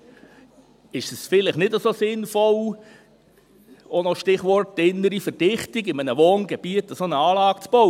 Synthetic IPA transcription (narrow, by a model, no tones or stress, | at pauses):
ɪʃəsfɪlɪχnɪdəsosɪnfɔl | onɔʃtɪχʋɔrt̚dɪnːəɾifərd̥ɪχtɪɡɪmənəʋoːnɡɛb̥iətəsonəɑːlɑːɡt͡sb̥ɔw